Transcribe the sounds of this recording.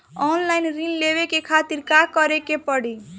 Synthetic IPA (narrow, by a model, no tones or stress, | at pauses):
ɔnlaɪnɾinlebekekʰat̪iɾkakəɾekepəɽi